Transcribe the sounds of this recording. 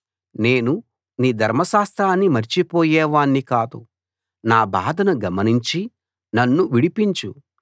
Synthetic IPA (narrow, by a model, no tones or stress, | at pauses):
ne̞ːnu | niːd̪ʱɐɾmɐʃaːst̪ɾaːnːimɐɾt͡ʃipoːjɛːʋaːɳːikaːd̪u | naːbaːd̪ʱɐnɐɡɐmɐniɲt͡ʃi | nɐnːuʋiɽipiɲt͡ʃu